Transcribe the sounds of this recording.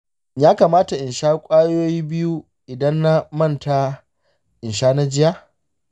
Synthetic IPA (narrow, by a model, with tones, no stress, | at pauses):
jaː˦kaː˨maː˦ta˨ʔɪ˨nʃaː˦kʷʼaː˦joː˦jiː˦bɪ˦ju˦ | ʔɪ˨dɐ˦nːa˦mɐ˦˨nta˦ | ʔɪ˨nʃaː˦na˦d͡ʒɪ˦ja˦